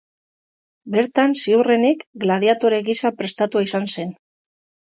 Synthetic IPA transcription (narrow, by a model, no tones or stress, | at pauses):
be̞ɾt̪ansiure̞nikɡlað̞jat̪oɾeɣisapɾe̞st̪at̪uaisanse̞n